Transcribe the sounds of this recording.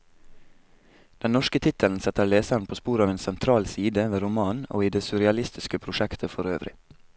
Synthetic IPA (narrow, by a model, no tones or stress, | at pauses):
d̪̥ɛnnɔʃkət̪ʰɪt̪ʰəln̩sɛt̪əleːsæɾn̩pʰoːspuːɾɑːʋeːnsɛnt̪ʰɾɑːlsiːd̪əʋeːɾʊmɑːno̰ːiːd̪eːsʉɾɪɑlɪst̪ɪskəpʰɾʊʃɛkt̪ʰəfɔɾøːʋɾɪ̰